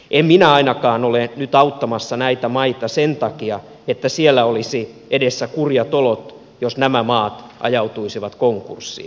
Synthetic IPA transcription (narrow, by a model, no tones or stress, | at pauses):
ʔemminæɑinɑkɑːnolenyt̪ɑut̪ːɑmɑsːɑnæit̪æmɑit̪ɑsent̪ɑkiɑ | et̪ːæsielːæolisi | ʔedesːækurjɑt̪olot̪ | josnæmæmɑːt̪ʔɑ̰jɑut̪uisiʋɑt̪koŋkṵrsːḭː